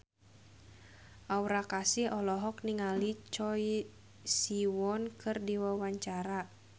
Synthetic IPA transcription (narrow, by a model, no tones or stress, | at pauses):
ʔauɾakasihɔlɔɦɔkniŋalit͡ʃɔi | siwɔnkʰɨrdiwawaɲt͡ʃaɾa